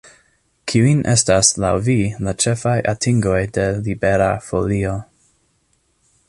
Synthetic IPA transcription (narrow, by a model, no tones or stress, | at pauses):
kʰiuinʔḛstasla̰wvilat͡ʃefajʔatʰiŋɡo̞jdelibeɾafolio